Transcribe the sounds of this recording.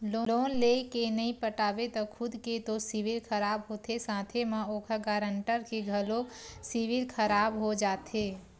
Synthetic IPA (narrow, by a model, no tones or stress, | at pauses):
loːloːnleːkenɐĩpəʈaːʋet̪ɔkʰʊd̪ket̪osɪʋɪlkʰəɾaːbɦoːt̪esãːt̪ʰemãoːkʰaɡaːɾə̃ɳʈəɾkeɡʱɐlosɪʋɪlkʰəɾaːbɦod͡ʒaːt̪ɦeː